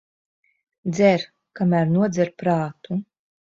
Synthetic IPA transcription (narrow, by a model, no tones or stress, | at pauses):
d̪zʲɛɾ | kamæɾnuɔd̪zʲɛɾpɾaːt̪u